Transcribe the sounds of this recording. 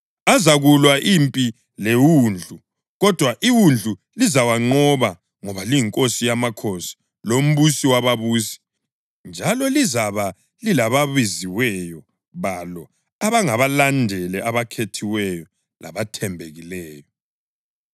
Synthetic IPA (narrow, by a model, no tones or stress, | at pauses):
azaɣulwaʔimpʼi | lewund͡ɮʱu | ɣɔd̥ʱwaʔiwund͡ɮʱu | lizawaŋ͡ǃɔβa | ŋɔβaliiŋkʼosijamakʰosi̥ | lom̩βusiwaβaβuːsi̥ | nd͡ʒʱalɔlizaβa | lilaβaβiziwɛjɔ | βalɔ | aβaŋaβalandʱɛlɛʔaβakʰetʰiwɛjɔ | lʔa̰βatʰɛmbʱeɣilɛːjɔ